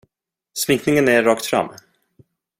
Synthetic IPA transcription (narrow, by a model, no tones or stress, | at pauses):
smɪŋknɪŋənæːɑːk̚t̪fɾa̰mː